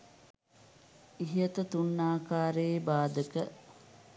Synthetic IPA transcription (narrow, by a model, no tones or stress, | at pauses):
iɦiət̪ət̪unːaːkaːɾeːbaːd̪əkə